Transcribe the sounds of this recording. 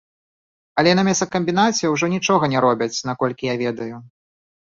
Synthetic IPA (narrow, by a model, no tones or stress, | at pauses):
ɐlʲɛnɐmʲɛsɐkɐmʲbʲinat͡sʲɛwʐɔnʲit͡ʂɔɣɐnʲɛɾɔbʲɐt͡sʲn̪akɔlʲkʲijavʲɛd̪ɐju